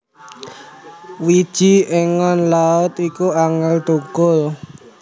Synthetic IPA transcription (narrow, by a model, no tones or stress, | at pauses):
wid̥ʒ̥i̤ʔeŋɔnlaʊt̪ikuaŋəlɖ̪̥o̤ɡ̥ɔl